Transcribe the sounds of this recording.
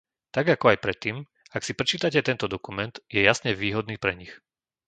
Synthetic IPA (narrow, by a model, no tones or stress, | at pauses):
t̪aɡakɔajpɾɛt̪ːiːm | aksipɾɛt͡ʃiːt̪acɛt̪ɛnt̪ɔd̪ɔkumɛnd̪̥jɛjasɲɛʋiːɦɔd̪niːpɾɛɲix